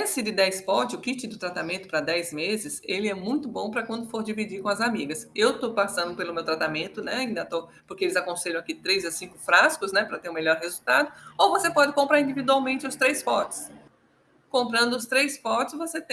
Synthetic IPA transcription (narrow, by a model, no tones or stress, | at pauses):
ẽsɪd̪ɪd̪ɛjspɔɾt͡ʃɪʊkit͡ʃɪd̪ʊt̪ɾat̪amẽnt̪ʊ̥pɾɐd̪ɛjzmezɪselɪɛmũj̃t̪ʊbõpɾɐkwɐ̃nd̪ʊfoɾd͡ʒivid͡ʒiɾkõɐzamiɡɐsewt̪opasɐ̃nd̪ʊpelʊmewt̪ɾat̪amẽnt̪ʊnɛaĩnd̪ɐt̪opoɾkeelɪzakõseʎɐ̃akit̪ɾejzɐsĩkʊfɾaskʊsnɛpɾɐt̪eɾʊ̃meʎɔɾhezut̪ad̪ʊowvosepɔd͡ʒɪkõmpɾaɾĩnd͡ʒ̪ivid̪uawmẽnt͡ʃɪʊst̪ɾejspɔɾt͡ʃɪ̥s | kõmpɾɐ̃nd̪ʊʊst̪ɾejspɔɾt͡ʃɪ̥svoset̪ẽ